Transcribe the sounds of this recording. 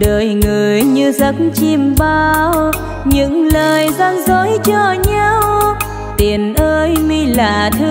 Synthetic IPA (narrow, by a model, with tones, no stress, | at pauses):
ɗəː˧˨˩jŋɨ˨˩əjɲɨ˧zə˨˦˥t̚nt͡ɕi˧mɓaː˧w | ɲɨ̰˧˥ŋləː˨˩jzaː˧nzo˧˨˦jt͡ɕɔ˧ɲa˧w | t̪i˨˩ənʔəː˧jmi˧laː˨˩t̪ʰɨ˧